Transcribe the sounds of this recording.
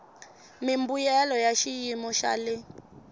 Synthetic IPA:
mimbujɛlɔjaʃijimɔʃa̰lɪ

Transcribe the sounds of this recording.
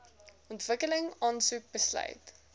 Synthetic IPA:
ɔntv̥əkələŋɑːnsuk̚bəslœ̰ɥt

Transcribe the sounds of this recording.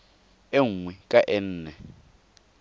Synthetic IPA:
eŋ̩wikʼaʔen̩ːnɛ

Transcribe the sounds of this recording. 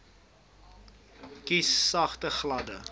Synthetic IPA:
kisːɐχtəχlɐdə

